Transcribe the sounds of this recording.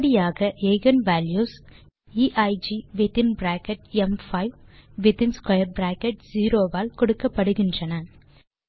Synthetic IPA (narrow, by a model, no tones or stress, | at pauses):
ɽɪjaːɣɐeɪɣɐnʋaːljuːs | iːʔɐɪd͡ʒiʋɪt̪ɪnbɾaːkɛʈ̚ɛmfɐɪʋʋɪt̪ɪnskɐjɐɾbɾaːkɛʈ̚ziːɾoːʋaːlkɔɽɯkːɐpːɐɽɯɣɪndrɐnɐn